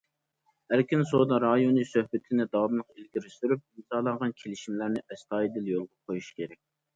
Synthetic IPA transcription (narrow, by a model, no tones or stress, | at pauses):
æɾkʲynsod̪ɑɾɑjonisøhbɪt̪ʰɪnɪd̪ɑwɑmlˠəqelɡʲiɾɪst̪yɾyp̚imzɑːlˠɑɴʁɑnkʲʰelɪʃimlæɾnɪʔɛst̪ʰɑːjid̪ɪljolˠʁɑqʰojuʃi̥kʲʰeɾɛk̚ʲ